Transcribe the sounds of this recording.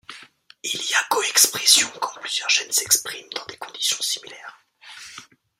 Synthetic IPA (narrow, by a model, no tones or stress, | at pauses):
ilijakoɛkspχɛsjɔ̃kɑ̃plyzjœʁʒɛnsɛkspχimd̪̥ɑ̃d̪ekɔ̃d̪isjɔ̃si̥milɛːʁ